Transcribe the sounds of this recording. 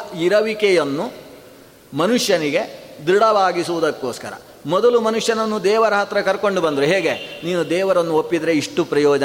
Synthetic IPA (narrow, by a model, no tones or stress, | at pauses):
iɾɐʋikɛjɐnːu | mɐnuʂjɐniɡe̞d̪uɽɐʋaːɡisuʋud̪ɐkːoːskɐɾɐ̰ | mɔd̪ɐlumɐnuʂjɐnɐnːud̪ɛːʋɐɾɐɦɐt̪ɾɐkɐɾko̞ɳɖubɐnd̪ɾuɦeːɡe̞niːnud̪ɛːʋɐɾɐnːuopːid̪ɐɾeiʂʈupɾɐjɔːd͡ʒɐ